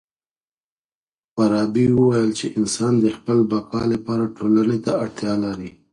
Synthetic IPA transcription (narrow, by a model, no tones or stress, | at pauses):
faɾɑbiwəwajəlt͡ʃeʔɪnsɑnd̪əxpəlbaqɑlapɑɾaʈʰolanet̪aaɽt̪jɑlaɾi